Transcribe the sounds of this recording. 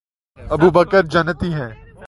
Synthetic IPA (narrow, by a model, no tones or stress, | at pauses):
ɐbubəkəɾd͡ʒɐnt̪iɦɛː